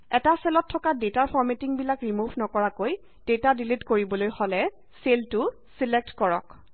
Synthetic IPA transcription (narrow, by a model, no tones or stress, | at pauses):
ɛtasɛlɔtʰːɔkadetaɹpʰɔɹmetiŋbilakɹimuvʱnɔkɔɹakoj | d̥etadilitkoɹibɔlojholɛ | seltʊ | silek̚tkɔɹɔ̰k